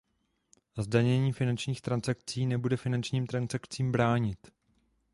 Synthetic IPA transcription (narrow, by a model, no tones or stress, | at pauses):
zdaɲɛɲiːfɪnant͡ʃɲiːxt̪ɾansak̚t͡siːnɛbudɛfɪnant͡ʃɲiːmt̪ɾansakt͡siːmbɾaːɲɪt̪